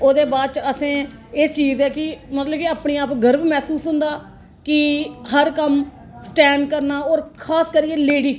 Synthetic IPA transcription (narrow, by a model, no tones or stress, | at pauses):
oːd̪eːbaːɾt͡ʃəsẽː | eːt͡ʃiːzɛːkɪmət̪ləbkiaːpɳiːaːpɡəɾbiːmɛːsuːsɦʊ̃nd̪aː | kɪɦəɾkəm | sʈɛːɳɖkəɾnaːɔːɾkʰaːskəɾiːeːleːɽiː